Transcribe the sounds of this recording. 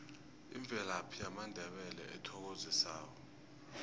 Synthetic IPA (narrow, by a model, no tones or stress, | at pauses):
ḭɱb̪vʱɛlapʰiamandʱɛɓɛlɛ̰ʔɛtʰɔk̬ozisaːkɔ